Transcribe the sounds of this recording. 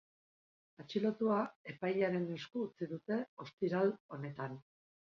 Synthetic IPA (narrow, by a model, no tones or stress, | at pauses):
at͡ʃilo̞t̪uae̞pajaɾe̞niskuːt͡siðut̪e̞o̞st̪iɾalo̞ne̞t̪an